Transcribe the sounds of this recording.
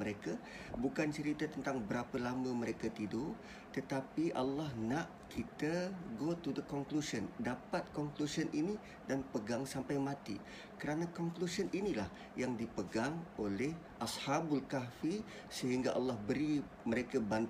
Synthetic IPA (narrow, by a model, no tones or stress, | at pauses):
əɾekabukant͡ʃəɾit̪at̪ənt̪aŋbəɾapəlaməməɾekat̪idol | t̪ət̪apiʔalːɑhnaʔ | kʰit̪əɡot̪udəkɔŋklusəndapat̪̚kɔŋklusənʔini | danpəɡaŋsampajmãt̪i | kəɾanakɔŋklusəninilah | jaŋdipəɡaŋolɛh | ʔashabulkafi | səɦiŋɡaʔɑlːɑhbəɾi | məɾekaban